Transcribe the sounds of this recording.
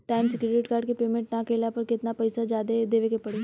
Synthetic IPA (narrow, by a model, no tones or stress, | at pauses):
ʈaːɪmsɪkɾeɖɪʈkaːɾɖkepeːmẽɳʈnɐɐkeːlapɐɾkɪt̪napɐɪsad͡ʒaːd̪ed̪eːʋekepɐɽeː